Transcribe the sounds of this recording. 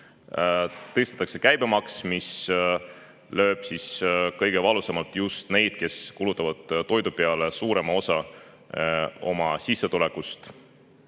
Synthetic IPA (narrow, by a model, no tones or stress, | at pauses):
t̪ɤst̪ɑ̥t̪ːɑkse̞kæjb̥emɑksmis | lø̞ːb̥siskɤ̞jɡ̥e̞vɑlusɑmɑlt̪ˑjust̪ne̞jd̪̥̚ke̞skulut̪ːˑɑvɑd̪̥t̪o̞jd̪upe̞ɑle̞suːɾe̞mɑo̞sɑ | o̞̰mɑsisːe̞t̪ulɛkːˑust̪